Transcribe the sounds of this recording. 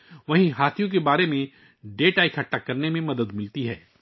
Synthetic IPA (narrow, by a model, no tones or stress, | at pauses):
ʋɐɦĩɦaːt̪ʰijõk̬ebaːɾemẽ | ɖeːʈaːikʰɐʈːakːɐɾnemẽmɐd̪əd̪mɪlt̪iɦɛː